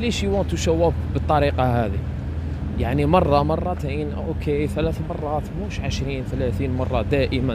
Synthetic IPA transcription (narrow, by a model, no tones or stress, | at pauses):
liʃiwænt̪uʃæwːæfbət̪ˤːɑɾiqɑhæd̪ḭ | jaʕnimɑrˤːɑmɑrˤːɑt̪in | okʰeθælæθmɑrˤːɑt̪muʃʕəʃɾiːnθlæθinmɑrˤːɑd̪æʔəmæ